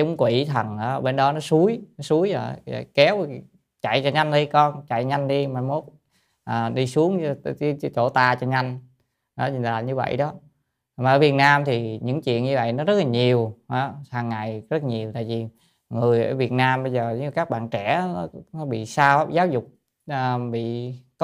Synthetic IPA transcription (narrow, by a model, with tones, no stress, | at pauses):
ʊ˨˦ŋ͡mkwi˧˩t̪ʰə˨˩nʔəː˨˦ɓe˧nɗɔ˨˦nɔ˨˦su˨˦əjnɔ˨˦su˨˦əjə̰˨˩˨kɛ˨˦w | t͡ɕa˧˨jt͡ɕɔ˧ɲa˧jŋ̟ɗi˧kɔ˧nt͡ɕa˧˨jɲa˧jŋ̟ɗi˧ma˨˩mo˨˦˥t̚ | ʔəː˨˩ɗi˧su˨˦əŋ˧t͡ɕo˧˩t̪aː˧˩t͡ɕɔ˧ɲa˧jŋ | ʔɔ˨˦laː˨˩ɲɨ˧və̰˧˨jɗɔ˨˦ | mː˨ʔəː˧˩vi˨˩ət̚naː˧mt̪ʰi˨˩ɲɨ̰˧˥ŋt͡ɕwḭ˧˨ənɲɨ˧və̰˧˨jnɔ˨˦zə˦˥laː˨˩ɲi˨˩əwhaː˨˦haː˨˩ŋːa˨˩jzə˦˥t̚ɲi˨˩əwt̪aː˧˨jvi˨˩ | ŋɨ˨˩əjʔəː˧˩vi˨˩ət̚naː˧mɓə˧jzəː˨˩˧kaː˦˥k̚ɓa̰ː˧˨nt͡ɕɛ˧˩˨nɔ˨˦nɔ˨˦ɓḭ˧˨saː˧wzaː˨˦wzʊ˨˩k͡p̚ | ʔəː˨˩ɓḭ˧˨k